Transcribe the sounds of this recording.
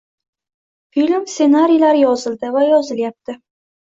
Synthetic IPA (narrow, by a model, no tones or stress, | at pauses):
filʲmsenaɾijlaɾjɒzɪld̪ɪvajɒzɪljap̚t̪ʰɪ